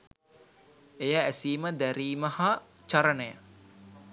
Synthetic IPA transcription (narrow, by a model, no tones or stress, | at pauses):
ejəːsiːməd̪æɾiːmɐhat͡ʃaɾənəjə̰